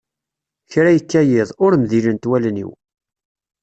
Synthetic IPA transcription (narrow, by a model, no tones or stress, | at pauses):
çɾæjəkːæjɪðˤʊɾmðilənt̪wælnḭw